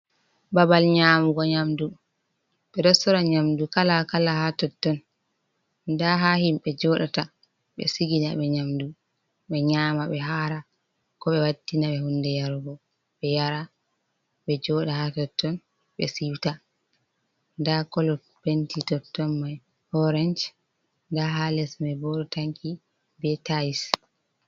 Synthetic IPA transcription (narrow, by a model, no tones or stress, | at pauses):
babalɲaːmuɡɔɲamdu | ɓɛdɔsɔɾaɲamdukalakalahatɔtːɔn | ndaɦahimɓɛd͡ʒɔɗata | ɓɛ̰siɡina̰ɓɛɲamdu | ɓɛɲaːmaɓɛɦaːɾa | kɔɓɛwadːinaɓɛhundɛjaɾɡɔ | ɓɛjaɾa | ɓɛd͡ʒɔɗahatɔtːɔn | ɓɛ̰siwta | ndakɔlɔ | bentitɔtːɔnmaj | hɔɾɛnd͡ʒ | ndaɦalɛsmabɔɗɔtaŋkʰi | bɛtais